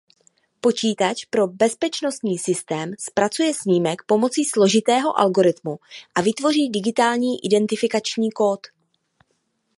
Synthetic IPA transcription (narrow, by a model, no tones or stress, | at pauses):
po̞t͡ʃiːt̪at͡ʃpɾo̞bɛspɛt͡ʃno̞st̪ɲiːsɪst̪ɛːmspɾat͡sujɛsɲiːmɛkpo̞mo̞t͡siːslo̞ʒɪt̪ɛːɦo̞̰ʔa̰lɡo̞ɾɪt̪muʔavɪt̪vo̞riːdɪɡɪt̪aːlɲiːʔɪdɛnt̪ɪfɪkat͡ʃɲiːko̞ːt̪